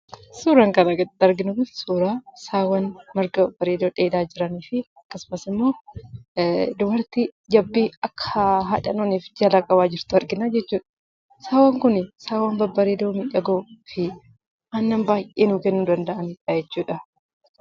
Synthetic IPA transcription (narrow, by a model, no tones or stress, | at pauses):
suːɾɐŋkɐnɐɡɐɐɾɡɪnʊɡɪfsuːɾaːsaːwɐnmɐɾɡɐbɐɾeːd̪oːᶑeːd̪aːd͡ʒɪɾɐniːfɪɐkːɐsʊmɐsɪmːo̞ː | d̪ʊbɐɾt̪id͡ʒɐbːiɐkʰːɐɦɐᶑɐnoːniːfd͡ʒɐlakʼɐβaːd͡ʒɪɾt̪ʊɐɾɡɪnad͡ʒɛt͡ʃːuːᶑɐ̥ | saːwɐŋkʊnɪsaːwɐnbɐbɐɾeːd̪oːmɪᶑɐɡoːfɪ | ʔɐnːɐmbaːjʔeːnuːkɛnːuːd̪ɐnd̪ɐʔɐniᶑɐd͡ʒɛt͡ʃːuːᶑɐ